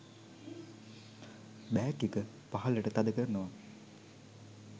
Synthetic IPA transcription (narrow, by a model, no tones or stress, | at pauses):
bæːkikə | paɦɐləʈət̪ad̪əkərnoʋa